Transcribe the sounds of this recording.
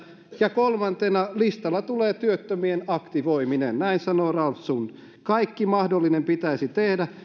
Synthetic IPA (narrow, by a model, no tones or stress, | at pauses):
jɑkolmɑnt̪enɑlist̪ɑlːɑt̪uleːt̪yøt̪ːømienɑkt̪iʋoiminennæinsɑnoːrɑlːun | kɑikːimɑhdolːinempit̪æisit̪ehdæ